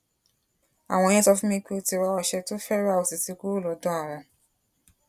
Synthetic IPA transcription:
a̰˨w̃ɔ̃˧˦ɛ̃˦tɔ˧fũ˦mĩ˧ki˦o˧ti˧ɾa˧wa˧ʃɛ˧to˦fɛ˦ɾa˦˨o˨si˨si˨˧ku˦o˦˨lɔ˨˦dɔ̃˦a˨ɾã˨

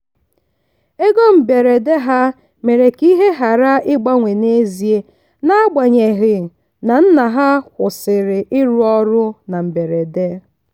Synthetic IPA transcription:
e˦ɡo˦m̩˨be˨ɾe˨de˦ɦa˦ | me˨ɾe˨ki˦ɦe˦ɦa˨ɾa˦ɪ˦ɡ͡ba˦ŋʷe˨ne˦zi˨e˦ | na˦a˦ɡ͡ba˨ɲe˨ɣɪ˨ | na˨n̩˦na˨ɦa˦kʷʊ˨sɪ˨ɾɪ˨ʔɪ˦ɾu˦ɔ˦ɾʊ˦na˨m̩˨be˨ɾe˨de˦

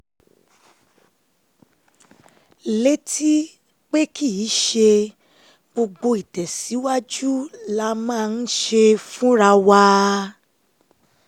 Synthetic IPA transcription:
le˦ti˦ | k͡pe˦ki˦˨i˨˦ʃe˧ | ɡ͡bo˧ɡ͡bo˧i˨tɛ˨si˨˦wa˦d͡ʒu˦la˦mãː˦˨˧n̩˦ʃe˧fũ˦ɾa˧wa˧

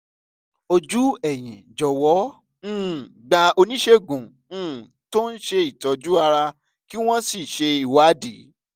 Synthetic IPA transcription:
o˧d͡ʒu˦ɛ˦˨j̃ḭ̃˨d͡ʒɔ˨wɔ̃˨˦˨ | ɡ͡ba˧o˧nĩ˦ʃe˧ɡũ˨˦˨ | to˦n̩˦ʃe˧i˨tɔ˨˧d͡ʒu˦a˧ɾa˧ | ki˦w̃ɔ̃˦si˦˨ʃe˧i˨wa˨˦di˨˦

